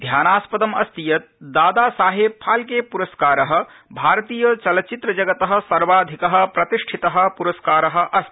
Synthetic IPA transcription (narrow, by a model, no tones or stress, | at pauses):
d̪ʱjaːnaːspɐd̪ɐmɐst̪ijɐt̪̚d̪aːd̪aːsaːɦeːbpʰaːlkeːpuɾɐskaːɾɐɦɐ̆ | bʱaːɾɐt̪iːjɐt͡ʃɐlɐt͡ʃit̪ɾɐd͡ʒɐɡɐt̪ɐɦɐ̆sɐɾʋaːd̪ʱikɐɦɐ̆pɾɐt̪iʂʈʰit̪ɐɦɐ̆puɾɐskaːɾɐɦɐ̆ʔɐst̪